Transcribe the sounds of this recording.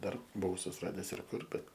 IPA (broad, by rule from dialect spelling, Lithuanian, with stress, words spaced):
ˈdɐr bʊˈʋɐʊ sʊsʲɪˈrɑːdʲɛs ɪr ˈkʊr bʲɛt